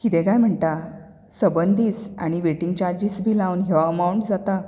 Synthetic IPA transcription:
kit̪ẽkajm̤əɳt̪a | səbənd̪ʱiːt͡sa̰ɽ̃iʋeʈiŋɡt͡ɕaɾd͡ʑiːsbʱiːlaunɦeʋaəmawɳʈd͡zat̪a

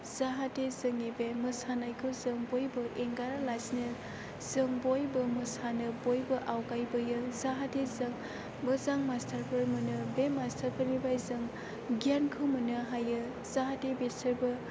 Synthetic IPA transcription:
z̥aɦatezɯŋebeməsanajkʰɯwzɯŋbojbɯʔeŋɡaɾalasnɯ | z̥ɯŋbojbɯmɯsanɯbojbɯʔawɡajbɯjɯzaɦatezɐŋ | mɯzaŋmastʰaɾpʰɯɾmɯnɯbemastʰəɾpʰəɾmibajzɯŋ | ɡijankʰɯwmɯnɯɦajɯ | zaɦatebesʰəɾbɯ

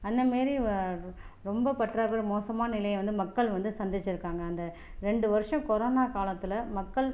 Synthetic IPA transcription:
ɐnd̪ɐmaːɾi | ɾɔmbɐpɐʈraːkɯɾɯmoːsɐmaːnɐnɪlɐjɐʋɐnd̪ɯmɐkːɐɭʋɐnd̪ɯsɐnd̪ɪt͡ʃːɪɾɯkːaːŋɡɐːnd̪ɐ | ɾɛɳɖɯʋɐɾɯʂɐ̃mkɔɾoːnaːkaːlɐt̪ːɪlɐmɐkːɐɭ

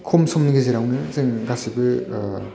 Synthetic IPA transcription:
kʰomsʰɯmnɯɡezeɾawnɯzeŋɡasibɯ

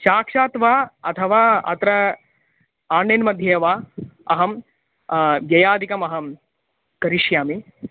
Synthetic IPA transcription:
ʃaːkʂaːt̪ʋaːɐt̪ʰɐʋaːɐ̰t̪ɾɐ | aːnjenmɐd̪ʱjeːʋaːɐɦɐm | ʋjɐjaːd̪ʱikɐmɐɦɐm | kɐɾiʂjaːmi

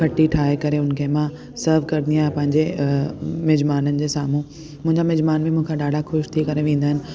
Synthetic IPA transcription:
kʰɐʈiʈʰaːekɐɾeʊnkʰemã | sɐɾʋkɐɾd̪iaːepɐ̃ɦɪ̃ɲd͡ʑe | mɪd͡ʑmaːnənɪ̆d͡ʑeːsaːmũ | mʊ̃ɦɪ̃ɲd͡ʑamɐd͡ʑmaːnmẽmũɦkʰãɗaːɖʱaxʊʃt̪ʰikɐɾeʋẽːnd̪aːɦɪnɪ̆

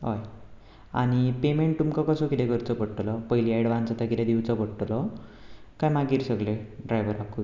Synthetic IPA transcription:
ɦɔj | a̰ñipemeɳʈ̚t̪umkakəsɔkid̪ɛ̃kəɾt͡sɔpəɽʈlɔpəɦjlieɽʋãnt͡sat̪əkit̪ɛ̃d̪iwt͡sɔpəɽʈlɔ | kajmaɡiːɾsəɡleɖɾajʋəɾaku

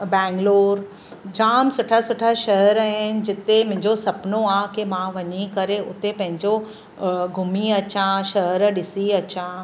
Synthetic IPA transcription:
bɛ̃ːŋɡloːɾ | d͡ʑaːmsʊʈʰasʊʈʰaʃɐɦəɾaɦɪnɪ̆d͡ʑɪt̪emʊ̃ɦɪ̃ɲd͡ʑosɐpnoakemãʋɐɲikɐɾeʔʊt̪epɐ̃ɦɪ̃ɲd͡ʑo | ɡʱʊmiɐt͡ɕãʃɐɦəɾɗɪsiɐt͡ɕã

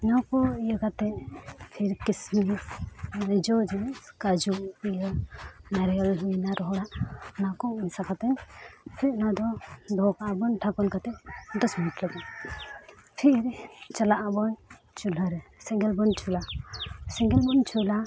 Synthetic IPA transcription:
nawkɔijəkat̪ɛpʰiɾkismi | ɾid͡ʒɔd͡ʒikad͡ʒuijənɛɾjɔlɦunaɾɔɦɽaʔnakɔinsakat̪ɛɲpʰinad̪ɔd̪ɔkaʔabɔnʈʰakɔnkat̪ɛd̪ɔsminiʈʰlaɡɔ | pʰiɾt͡ʃalaʔabɔn | t͡ʃulaɾɛsɛŋɡɛlbɔnt͡ʃʰulasɛŋɡɛlbɔnt͡ʃʰula

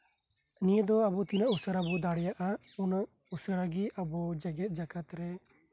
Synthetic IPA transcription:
nijəd̪ɔabut̪inaʔusəɾabud̪aɽɛjaʔa | unaʔ | usəɾaɡiabɔd͡ʒɛɡɛt̪̚ˀd͡ʒakat̪ɾɛ

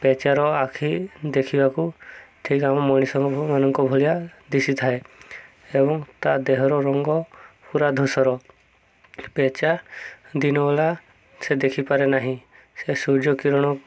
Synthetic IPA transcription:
pet͡ʃaɾɔakʰid̪ekʰibakuʈʰikamɔmɔɽ̃isɔŋɡɔmanɔŋkɔbʱɔlijad̪isit̪ʰae | ebɔŋt̪ad̪eɦɔɾɔɾɔŋɡɔpuɾad̪ʱusɔɾɔ | pet͡ʃad̪inɔɔla | sed̪ekʰipaɾenaɦĩ | sesuɾd͡ʒɔkiɾɔɽ̃ɔ

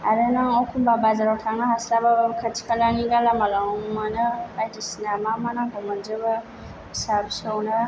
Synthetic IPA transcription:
a̰ɾɛnaŋɔkubabazaɾatʰanaɦaslabababkat͡ʃi̥kalaniɡalamalaŋŋumanabadisinamamanaɡɔməd͡ʒəba | sabusowna

